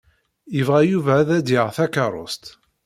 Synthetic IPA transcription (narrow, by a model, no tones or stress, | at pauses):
jəvʁæjuvæːðæd̪jəʁθækəɾˤo̰st̪